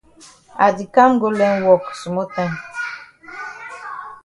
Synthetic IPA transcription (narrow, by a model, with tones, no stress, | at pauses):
a˨di˨ka˦m˦ɡo˦lɛ˦nwɔ˨ksu˨mo˦tɛ̃˦ŋ